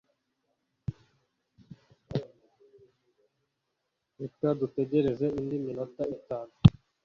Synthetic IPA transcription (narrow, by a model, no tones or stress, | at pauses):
ekadute̞ɟe̞ɾe̞ze̞indimino̞taitaːnu